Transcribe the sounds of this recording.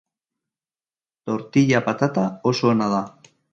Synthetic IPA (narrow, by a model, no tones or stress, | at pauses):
t̪o̞ɾt̪iʎapat̪at̪aosoːnaða